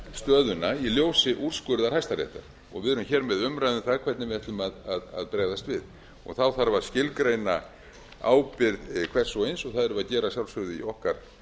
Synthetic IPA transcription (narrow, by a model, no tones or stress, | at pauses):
st̪œːðʏnajɛljowsɪʔur̥skʏɾðaɾ̥hajst̪aɾɛ̰ht̪a̰ɾ̥ | ɔ̰ɣvɪðʏɾʏmçɛːɾmɛðʏmɾajðʏnθaɣkʰvɛɾt̪nɪvɪɛht̪lʏmaðaða̰ðpɾɛːɣðast̪vɪð | ɔ̰ɣθawθaɾvaɾ̥scɪlkɾejna | a̰ːwpɪɾðkʰv̥ɛr̥sowejnsɔɣθaðɛɾʏvaðcɛːɾasjawlsʏɾðʏḭɔhkaɾ̥